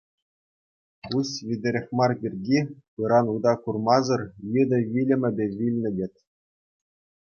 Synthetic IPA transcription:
usʋʲidʲɘ̆ɾʲexʲmɑrbʲirʲɡʲipɯɾɑnud̪ɑkurmɑzɤ̆rjɯd̪ʲɤ̆ʋʲilʲɘ̆mʲɘ̆bʲeʋʲilʲnʲɘ̆dʲetʲ

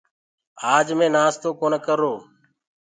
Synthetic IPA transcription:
aːd͡ʒmẽːnaːst̪oːkoːnəkəɾoː

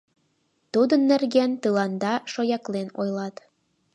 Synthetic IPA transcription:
t̪ud̪ənːĕrɣænt̪ɯlɑnd̪ɑʃojɑklenojlɑt̪

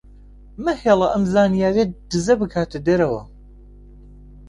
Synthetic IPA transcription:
mɐheːlˠɐʔɐmzaːnijaːɾied̪̥ɨzɐbɨkʰaːt̪ʰɨd̪ɐɾɐwɐ̰

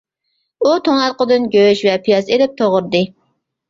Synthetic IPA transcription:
ut̪ʰoŋnɑt̪qəd̪ɨnɡʲøʃvɛpʰijɑzelɪp̚t̪ʰoʁʊɾd̪ɨ

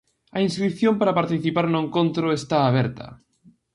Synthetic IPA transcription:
ɐinskɾip̚θjompaɾapaɾt̪iθipaɾnoʊeŋkõnt̪ɾoest̪aːβɛɾt̪ɐ̰

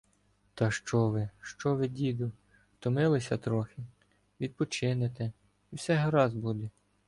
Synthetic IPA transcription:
t̪ɐʃt͡ʃɔʋɪʃt͡ʃɔʋɪdʲid̪ʊ | t̪ɔmɪlˠɪsʲɐt̪ɾɔxʲɪ | ʋʲid̪̚pɔt͡ʃɪnet̪ɛ | iwsɛɦɐɾɑzbud̪ɛ

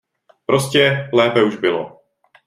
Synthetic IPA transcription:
pɾʔo̞scɛlɛːpɛuʒbɪlo̰

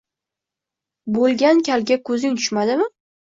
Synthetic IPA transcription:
bolˠɡʲankʲʰalɡʲakʰɵzɪŋt̪ʰʊ̥ʃmad̪ɪmɪ

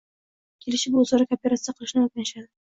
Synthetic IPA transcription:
kʲʰe̞lɪʃɪbʊːzɒɾakʲopʲeɾat̪sɨjaqʰɨlˠɪʃnɪok̚ʲnanɪʃad̪ɪ

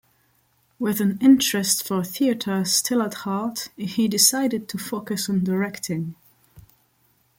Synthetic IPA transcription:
wɪðɨ̃nɪ̃nt͡ʃɹ̥ɨstfə˞θiɨɾʰə˞stʰɪlˠəthɑɹthidɪsaɪɾɨd̚tʰəfoʊkɨsn̩dəɹɛktʰɪ̃ŋ

